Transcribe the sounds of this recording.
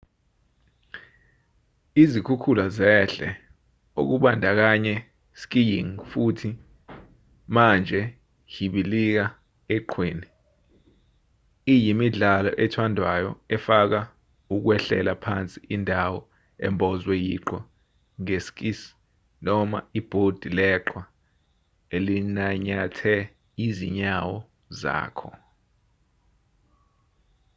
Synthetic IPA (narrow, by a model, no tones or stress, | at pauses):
izikʰukʰulazɛɬɛ̰ | o̰k̬uɓandʱak̬aɲɛ | sk̬ijiŋfutʰi | mand͡ʒʱɛ | jiɓilik̬a | ɛǃʰweːni | ijimiɮalɔʔɛtʰwandʱwajɔɛfak̬a | uk̬wɛɬɛ̰lapʰa̰nt͡sʼiʔindʱawɔ | ɛ̰mbʱɔzwɛjiǃɔ | ŋesk̬ʼis | nɔma̰ib̥ʱod̥ʱilɛǃʰwa | elinaɲatʰɛ | izḭɲawɔ | za̰ːkʰɔ̰